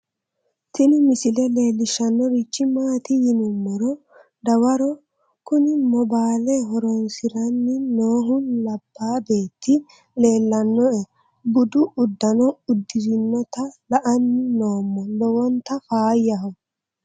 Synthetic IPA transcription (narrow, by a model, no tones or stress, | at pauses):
tɪnɪmɪsɪlɛle̞ːlːɪʃɐnːɔɾit͡ʃːɪmaːt̪ɪjɪnʊmːɔɾɔ | d̪ɐwɐɾɔ | kʊnɪmɔbaːlɛɦɔɾɔnsɪɾɐnːɪnoːɦʊnlɐbːaːbe̞ːt̪ːɪ | le̞ːlːɐnːɔɛ | bʊd̪ʊʔʊd̪ːɐnɔʊd̪ːɪzɪnːɔt̪ɐlɐʔɐnːɪnoːmːɔlɔwɔnt̪ːɐfaːjɐɦɔ